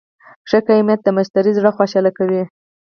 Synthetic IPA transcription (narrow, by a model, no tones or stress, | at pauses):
ʂəkajmjat̪̚d̪əmaʃt̪aɾizɽaxwaʃɑlakawi